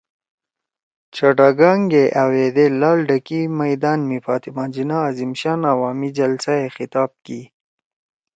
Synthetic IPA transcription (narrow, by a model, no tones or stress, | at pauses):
t͡ʃaʈaɡɑŋɡeʔawed̪elɑːlɖakimajd̪ɑːnmifɑːt̪imɑːnd͡ʒinaːzimʃɑːnawɑːmid͡ʒalsaexɪt̪ɑːb̚ki